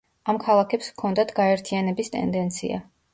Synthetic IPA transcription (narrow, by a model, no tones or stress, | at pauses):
amkʰalˠakʰɛpskʰɔnd̪at̪ʰɡ̥aɛɾt̪ʰianɛbist̪ʼɛ̰nd̪ɛnt̪sʰḭa̰